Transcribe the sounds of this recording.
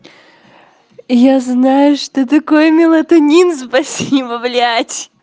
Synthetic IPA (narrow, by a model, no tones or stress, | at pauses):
jaznajʊʂt̪ot̪̬ɐkojmʲɪlˠɐt̪ʊnʲinspɐsʲibəvlʲatʲ